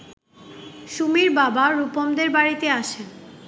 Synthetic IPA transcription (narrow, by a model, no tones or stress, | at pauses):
ʃumiɾbabaɾupomd̪eɾbaɾit̪eaʃe